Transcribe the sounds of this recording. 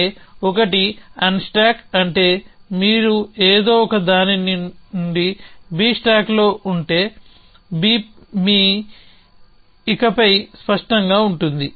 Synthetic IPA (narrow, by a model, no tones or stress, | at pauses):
ɔkɐʈiɐnsʈaːkɐɳʈe̞ːmiːɾueːd̪o̞ːɔkɐd̪aːniniuɳɖibiːsʈaːklo̞ːʔuɳʈe̞ː | biːmi | kɐpɐjspɐʂʈɐŋɡaːuɳʈund̪i